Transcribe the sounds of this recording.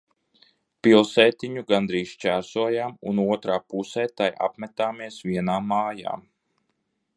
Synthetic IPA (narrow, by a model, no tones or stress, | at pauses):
pilˠsɛːt̪iɲuɡand̪ɾiːst͡ʃæːɾsuɔjaːmṵnuɔt̪ɾaːpusɛːt̪aja̰pmɛt̪aːmiɛsviɛnaːmːaːja̰ːm